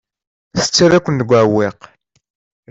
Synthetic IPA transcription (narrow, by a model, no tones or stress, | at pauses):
θə̥t͡sːaðækʷːənt̪əɡʷaweq